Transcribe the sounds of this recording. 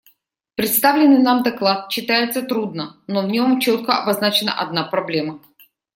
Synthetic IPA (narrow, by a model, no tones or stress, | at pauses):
pɾʲɪt̪st̪avlʲɪnːɨjnamd̪ɐklˠat̪̚ɕːɪt̪ajɪt̪sət̪ɾud̪̚nənovnʲo̞mt͡ɕo̞t̪̚kəɐbɐznat͡ɕɪnə̰ʔɐd̪̚napɾɐblʲe̞mə